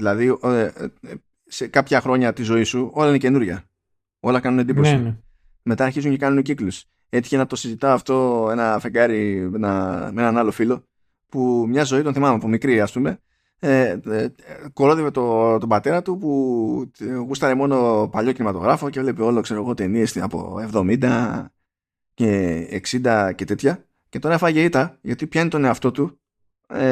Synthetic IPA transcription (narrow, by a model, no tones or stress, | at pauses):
ðilɐði | sekɐpçɐxɾo̞ɲɐt̪izo̞isuo̞lɐinece̞nuɾʝɐ | o̞lɐkɐnunend̪iposi | me̞t̪ɐːɾçizuɲce̞kɐnunociklus | e̞t̪i̥çenɐt̪o̞sizit̪ɐoɐft̪o̞e̞nɐfeɡɐɾienɐenɐnɐlo̞filo̞ | pumɲɐzo̞it̪o̞nθimɐmepomikɾiɐspume̞ | ko̞ɾo̞ðevet̪ot̪o̞bɐt̪e̞ɾɐt̪upu | ɣust̪ɐɾemo̞no̞pɐʎo̞cinimɐt̪o̞ɣɾɐfo̞cevle̞peo̞lokse̞ɾoɣo̞t̪e̞nie̞sɐ̰po̞̰e̞vðo̞mind̪ɐ | ceḛksind̪ɐce̞t̪e̞t̪çɐ | ce̞t̪oɾɐfɐʝeit̪ɐʝɐt̪ipçɐinit̪o̞ne̞ɐft̪o̞t̪u